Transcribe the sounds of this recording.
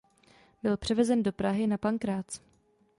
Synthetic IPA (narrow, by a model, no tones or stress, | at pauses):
bɪlpr̥ɛvɛzɛndo̞pɾaɦɪnapaŋkɾaːt͡s